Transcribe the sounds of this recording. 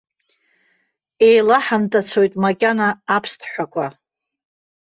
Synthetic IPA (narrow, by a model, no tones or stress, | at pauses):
e̞jlaħamtʰʼat͡sʰo̞jtʼmakʲʼanaːpʰstʰħʷakʷʰʼa